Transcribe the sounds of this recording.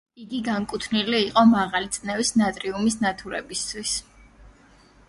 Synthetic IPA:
iɡiɡaŋkʼut̪ʰniliːqʼɔmaʁalit̪sʼnɛvisnat̪ʼɾiumisnat̪ʰuɾɛ̰bist̪ʰwis

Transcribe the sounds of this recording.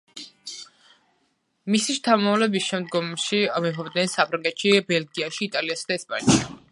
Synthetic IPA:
misiʃt̪ʰamavlɛbisʃɛmd̪ɡɔmʃimɛɦɔbd̪nɛnsapʰɾaŋɡɛt̪ʃibɛlɡiaʃiːt̪ʼaliasad̪aɛspʼa̰nʃi

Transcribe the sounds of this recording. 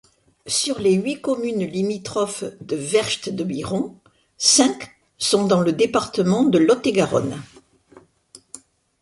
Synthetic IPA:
syʁleɥikɔmynlimit̪χɔfd̪əvɛʁʃt̪d̪əbiʁɔ̃ | sɛ̃k | sɔ̃d̪ɑ̃ləd̪epaʁt̪əmɑ̃d̪əlɔt̪eɡaʁɔ̰n

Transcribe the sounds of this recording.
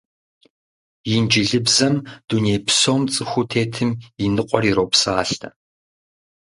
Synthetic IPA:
jɪnd͡ʒɪɮɨbzɐmd̥uneːpʰsoːmt͡sʼɨxʷʊtʰeːtʰɨminɨqʷʼɔriɾoːpsaːɬtʰɐ̰

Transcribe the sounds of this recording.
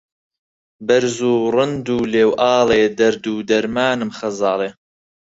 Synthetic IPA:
bɐɾzuːrɨnd̪uːleːwʔɑːleːd̪ɐɾd̪uːd̪ɐɾmaːnɨmχɐzɑːleː

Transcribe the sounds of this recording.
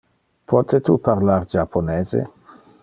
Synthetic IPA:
pʰɔt̪et̪upaɾlaɾd͡ʒapʰːoneːzḛ

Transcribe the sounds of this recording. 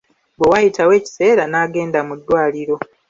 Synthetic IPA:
bwewajitʰawe̞ːci̥se̞ːɾanaːɡe̞ːndamudːwaːliɾo̞

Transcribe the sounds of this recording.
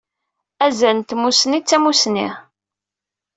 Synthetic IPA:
æzænt̪musnit͡sːæmusnḭ

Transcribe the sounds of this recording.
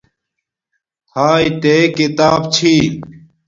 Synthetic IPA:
tʰaːjt̪eːkit̪aːb̚t͡ɕʰiː

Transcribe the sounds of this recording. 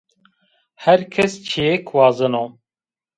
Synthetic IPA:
hɛɾkʰɛst͡ʃʰejɛkʰwɑːzɨno

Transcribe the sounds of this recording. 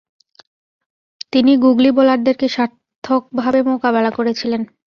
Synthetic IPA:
t̪iniɡuɡlibolaɾd̪eɾkeʃaɾt̪ʰːok̚bʱabemokabɛlakoɾet͡ɕʰilen

